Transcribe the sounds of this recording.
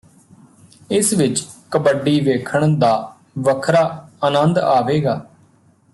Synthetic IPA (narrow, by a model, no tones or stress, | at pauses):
ɪsʋɪt͡ʃkəbəɖːiːʋeːkʰəɳd̪aː | ʋəkʰɾaːənənd̪aːʋeːɡaː